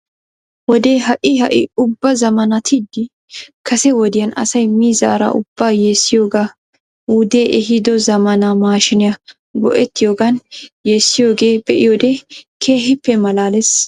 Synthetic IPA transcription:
wɔd̪e̞ːɦɐʔɪhɐʔɪ̰ʊbːɐzɐmɐnɐt̪ʰɪd̪ːɪ | kɐsɛwɔd̪ɪjɐnɐ̰sɐjmiːza̰ːɾa̰ʔʊ̰bːaːje̞ːsːɪjoːɡaː | ud̪eːʔɛɦɪd̪ɔzɐmɐnamaːʃɪnɪjɐ | ɡɔ̰ʔɛt̪ːɪjo̞ːɡanjeːsːɪjo̞ːɡe̞ːbɛʔɪjoːd̪ekʰe̞ːɦɪpːɛmɐlaːlɛs

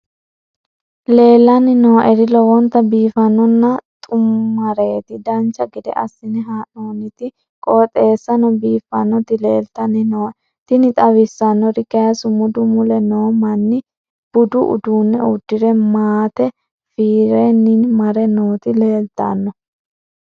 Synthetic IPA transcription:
le̞ːlːɐnɪnoːʔɛɾɪlɔwɔnt̪ːɐbiːfɐnɔnːɐt̪ʼʊmːɐɾeːt̪ɪd̪ɐnt͡ʃːɐɡɪd̪ɛ̰ʔɐsːɪnɪɦaːnoːnɪt̪ɪ | kʼoːt̪ʼe̞ːsːɐnɔbiːfːɐnːɔt̪ɪle̞ːlt̪ɐnɪnoː | t̪ɪnɪt̪ʼɐwɪsːɐnːɔɾɪkɐjɐsʊmʊd̪ʊmʊlɛnoːmɐnːɪ | b̥ʊd̪ʊʔʊ̰d̪uːnːɛʊd̪ːɪɾɛmaːt̪ɛ | fiːɾenːɪnmɐɾɛnoːt̪ɪle̞ːlt̪ːɐ̰nːɔ

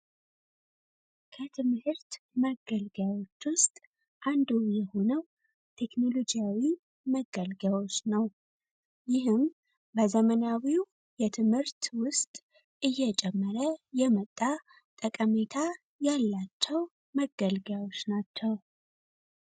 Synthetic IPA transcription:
kʰət̪ʰɨmhɨɾt̪ | məɡəlɡawo̞t͡ʃːwʊst̪ʼ | ʔand̪ujɛho̞nəw | t̪ʰe̞kno̞lo̞d͡ʒijawi | məɡəlɡawo̞t͡ʃːnəw | jɪɦɨm | bəzəmənawiw | jɛt̪ʰɨmhɨɾt̪wʊst̪ʼ | ʔɨjːɛt͡ʃʼɛmːəɾəjɛmət̪ʼːa | t̪ʼəkʼəme̞t̪ʰa | jalːat͡ʃːɛw | məɡəlɡawo̞t͡ʃːnat͡ʃːɛw

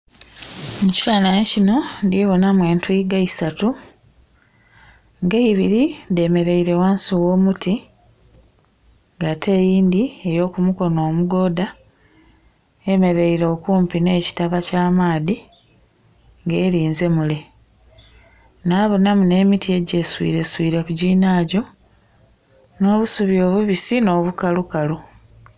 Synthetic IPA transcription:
muci̥taːnaecino̞ndiβo̞namwe̞ːntwiɡaisatu | ŋɡeiβiɾide̞me̞ɾe̞iɾe̞waːnsuwo̞ːmuti | ŋɡatʰe̞ːjiːnd̪ie̞jo̞ːkumuko̞noːmuɡo̞ːda | eme̞ɾe̞iɾo̞ːkuːmpine̞ːci̥taβacaːmaːði | ŋɡe̞ːɾiːnze̞mule̞ | naːβonamune̞ːmitie̞ɟe̞ːswḭːɾe̞swiːɾe̞kuɟiːnaːɟo̞ | no̞ːβusuβjo̞ːβuβisino̞ːβukalukalu

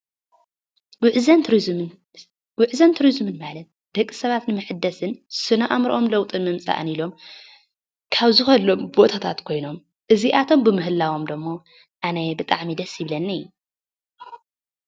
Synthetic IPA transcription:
wʕzɐnʰ | wɨʕzɐnt̪ʰuɾizmɨnmalɐt̪̚ | d̪̥ɐkʼːi̥sɐβat̪nɨmɨħɨd̪ːɐsɨnsɨnɐʔamɾʔomlɐwt̪ʼɨnmɨmt͡sʼa̰ʔnilo̞m | kʰaβzɨxɐlːombo̞t̪ʰat̪ʰat̪kʰo̞jno̞m | ʔɨziʔat̪ʰo̞mbɨmɨɦɨlːawo̞md̪ɨmːo | ʔanɐbɨt̪ʼaʕmid̪ɐsjɪβlɐnːɐjːu

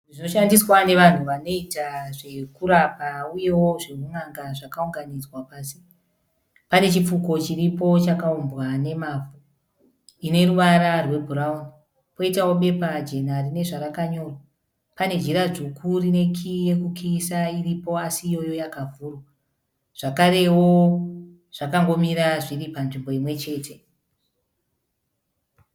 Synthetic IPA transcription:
ʐino̞ʃandiswane̞ʋan̤uʋano̞itaʐe̞kuɾapauje̞wo̞ʐe̞ɦuŋaŋɡaʐakauŋɡanid͡zwapaːsi | pane̞t͡ʃip͡fuko̞t͡ʃiripo̞t͡ʃakaumbwane̞maːvu | ine̞ruʋaɾarwe̞bʱuɾauni | po̞itawo̞ɓe̞pad͡ʒe̞n̤arine̞ʐaɾakaɲo̞ːrwa | pane̞d͡ʒiɾaʐukʰurine̞kʰije̞kukʰiːsairipo̞asijo̞jo̞jakavʱuːro | ʐ̥akaɾe̞wo̞ | ʐ̥akaŋɡo̞miɾaʐiripanʐimbo̞imwe̞t͡ʃe̞ːtʰe̞

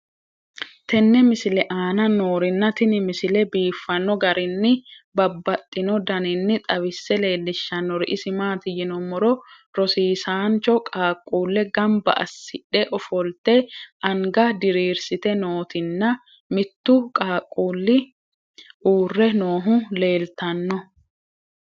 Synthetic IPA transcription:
t̪ʰɛnːɛmɪsɪlɛʔaːnɐnoːɾɪnːɐt̪ɪnɪmɪsɪlɛbiːfːɐnːɔɡɐɾɪnːɪbɐbːɐt̪ʼːɪnɔd̪ɐnɪnːɪt̪ʼɐβɪsːɛle̞ːlːɪʃːɐnːɔɾɪʔɪsɪmaːt̪ɪjɪnɔmːɔɾɔ | ɾɔsiːsaːnt͡ʃɔkʼaːkʼːuːlːɛɡɐmbɐ̰ʔɐ̰sːɪᶑːɛʔɔfɔlt̪ɛʔɐŋɡɐd̪ɪɾiːɾsɪt̪ɛnoːt̪ɪnːɐ | mɪt̪ːʊkʼaːkʼːuːlːɪ | ʔuːrːɛnoːɦʊle̞ːlt̪ɐnːɔ

